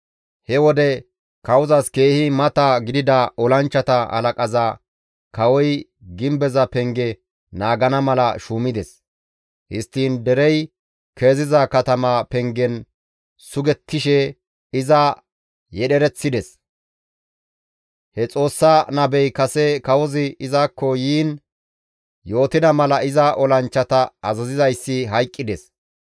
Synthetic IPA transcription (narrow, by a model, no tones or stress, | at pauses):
hɛwɔd̪ɛ | kɐwʊzɐske̞ːhɪmɐt̪ɐɡɪd̪ɪd̪ɐʔɔlɐnt͡ʃːɐt̪ɐhɐ̰lɐkʼɐza | kɐwɔj | ɡɪmbɛzɐpɛŋɡɛ | naːɡɐnɐmɐlɐʃuːmɪd̪ɛs | hɪst̪ːiːnd̪ɛɾɛj | ke̞ːzɪzɐkɐt̪ɐmɐpɛŋɡɛn | sʊɡɛt̪ʰːɪʃɛ | ɪzɐ | jɛɗɛɾɛt͡sːɪd̪ɛs | hɛt͡sʼo̞ːsːaːnɐbɛjkɐsɛkɐwɔzɪɪzaːkːɔjiːn | jo̞ːt̪ɪd̪ɐmɐlɐɪzɐʔɔlɐnt͡ʃːɐt̪ɐɐzɐzɪzɐjsːɪɦɐjkʼːɪd̪ɛs